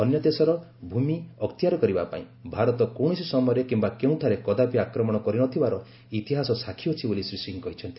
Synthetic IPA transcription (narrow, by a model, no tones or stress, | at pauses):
ɔnjɔd̪esɔɾɔbʱumiɔkt̪iaɾɔkɔɾibapa̰ĩbʱaɾɔt̪ɔkowɽ̃ɔsisɔmɔjɔɾekimbakeũt̪ʰaɾekɔd̪apiakɾɔmɔɽ̃ɔkɔɾiñɔt̪ʰibaɾɔ | it̪iɦasɔsakʰiɔt͡ʃʰibolisɾisʈiŋkɔɦit͡ʃʰɔnt̪i̥